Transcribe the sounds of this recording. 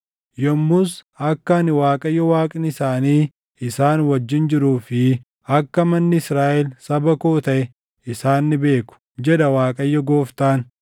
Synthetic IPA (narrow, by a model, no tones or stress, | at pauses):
jɔmːʊsɐkːɐnɪwaːkʼɐjːɔwaːkʼɪnɪsaːniː | ɪsaːnwɐd͡ʒːɪnd͡ʒɪɾuːfɪ | ɐkːɐmɐnːɪɪsɾaːʔɛlsɐbɐkoːt̪ɐʔɛ | ɪsaːnːɪbe̞ːkʊ̥ | d͡ʒɛd̪ɐwaːkʼɐjːɔɡo̞ːft̪aːn